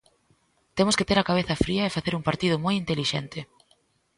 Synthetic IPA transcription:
t̪emʊskɪt̪eɾɐkaβeθɐfɾiɐefaθeɾuŋpaɾt̪iðʊmojint̪eliʃent̪ɪ

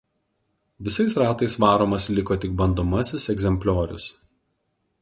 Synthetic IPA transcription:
ʋʲɪsɐɪsɾɑːt̪ɐɪsʋɑːɾoːmɐslʲɪkoːt̪ʲɪɡk̚bɐnd̪oːmɐsʲɪsɛɡzʲɛmʲpʲlʲoːɾʲʊ̰s

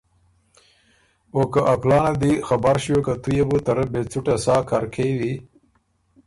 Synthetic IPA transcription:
okaʔaklɑːnad̪ixabaɾʃjokat̪ujebut̪aɾəbet͡suʈasɑːkʰaɾkʰewi

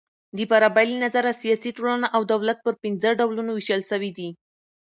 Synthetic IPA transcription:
d̪əpaɾabajlinazaɾasijɑsiʈolənaʔawd̪awlat̪̚pəɾpinzəɖawlunowiʃəlʃəwid̪i

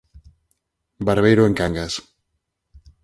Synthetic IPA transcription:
baɾβejɾoeŋkaŋɡas

